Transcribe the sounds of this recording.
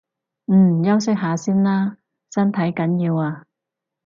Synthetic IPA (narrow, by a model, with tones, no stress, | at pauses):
m̩˨˩˨jɐ˥ws̬ɪ˥k̚ɦaː˨˧siː˥nlaː˥ | sɐ˥nt̪ʰɐ˨˥jkɐ˨˥njiː˧waː˧